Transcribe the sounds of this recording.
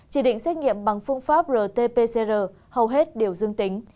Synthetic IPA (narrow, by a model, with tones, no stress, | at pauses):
t͡ɕi˧˩ɗḭ˧˨ŋ̟sɛ˦˥k̚ŋḭ˧˨əmɓa˨˩ŋfɨ˧əŋfaː˦˥p̚zəː˨˩t̪e˧pe˧se˧zəː˨˩ | hə˨˩wɦe˦˥t̚ɗi˨˩əwzɨ˧əŋt̪ï˨˦ŋ̟